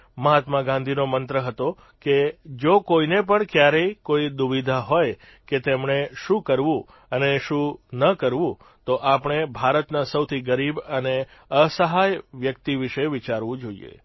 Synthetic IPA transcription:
məɦat̪maɡãnd̪ʱinomənt̪ɾəɦət̪o | ked͡ʒokoinepəɳkjaɾəjkoid̪ʊʋid̪ʱaɦoj | ket̪emɳeʃũkəɾʋũ | əneʃũnəkəɾʋũ | t̪oʔapəɳ̃ebʱaɾət̪nasəwt̪ʰiɡəɾibəne | əsəɦajʋjək̚t̪iʋɪʃeʋɪt͡ʃaɾʋũd͡ʒoḭḛ

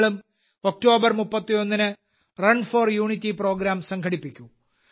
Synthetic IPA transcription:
ɭum | o̞k̚ʈo̞ːbɐrmupːɐt̪ːijo̞nːinɨ | rɐɳfoːrjuːɳitːipro̞ːɡɾaːmsɐŋkʰɐɽipːikʲːu

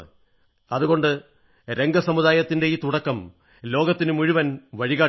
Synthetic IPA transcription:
ɐðuɣo̞ɳɖɨ | ɾe̞ŋɡɐsɐmuðaːjɐt̪ːinde̞iːt̪uɽɐkːɐm | lo̞ːɡɐt̪ːinɨmuɻiʋɐnʋɐɻiɣaː

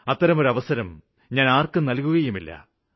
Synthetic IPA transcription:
ɐt̪ːɐɾɐmo̞ɾuɐʋɐsɐɾɐm | ɲaːnaːrkɨnɐlkuɣɐjumilːɐ̰

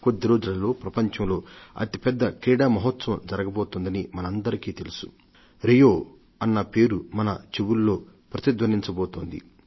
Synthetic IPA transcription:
kod̪ːiɾoːd͡ʒulɐlo̞ːpɾɐpɐɲt͡ʃɐmlo̞ːɐ̰t̪ipɛd̪ːɐkɾiːɽaːmɐɦɐt̪sɐʋɐmd͡ʒɐɾɐɡɐboːt̪ond̪ɐnimɐnɐɐnd̪ɐɾikiːt̪e̞lusu̥ | ɾijoː | ɐnːɐpe̞ːɾumɐnɐt͡ʃewulːo̞ːpɾɐt̪id̪ʋɐniɲt͡ʃɐboːt̪oːnd̪ḭ

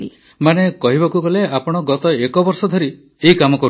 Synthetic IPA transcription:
i | manekɔɦibakuɡɔleapɔɽ̃ɔɡɔt̪ɔekɔbɔɾsɔd̪ʱɔɾi | eɦikamɔkɔɾ

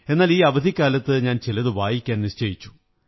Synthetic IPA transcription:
e̞nːaːliːɐʋɐd̪ʱikʲːaːlɐt̪ːɨɲaːnt͡ɕilɐðɨʋaːjikʲːaːnnist͡ɕɐjit͡ɕːu̥

